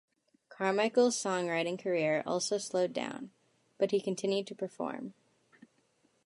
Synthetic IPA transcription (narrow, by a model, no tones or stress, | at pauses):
kʰɑɹmaɪkl̩ˠz̥sɔ̃ŋɹaɪɾɪ̃ŋkʰə˞ɪɹɔ̰lˠsoʊsloʊdã̰ʊ̃n | b̥ʌt̚hikɨ̃ntʰɪ̃njʉd̚tʰɨpʰə˞fɔ̰ɹm